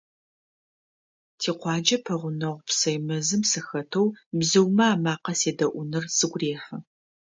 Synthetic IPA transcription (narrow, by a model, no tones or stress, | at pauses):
tʰiːqʷɑːd͡ʒɐpʰɐʁʷʊnɐʁʷpsɐjmɐzɨmsɐxɐtʰowbzɨwmɐaːmaːqɐseːdɐʔʷʊnɨrsɨɡʷreːħɐ